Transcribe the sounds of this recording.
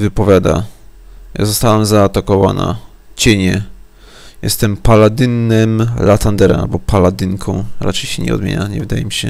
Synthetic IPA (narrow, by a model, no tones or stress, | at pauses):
vɘpɔvʲjad̪a̰ | ja̰zɔst̪awamzaːt̪akɔva̰na̰ | t͡ɕɛɲɛ | jɛ̰st̪ɛmpalad̪ɘnːɛmlat̪and̪ɛɾaa̰lbɔpalad̪ɘŋkʰɔ̃w̃ɾat͡ʂɛjɕɛɲɛ̰ɔ̰d̪mʲḛɲaɲɛvɘd̪ajɛmʲiɕɛ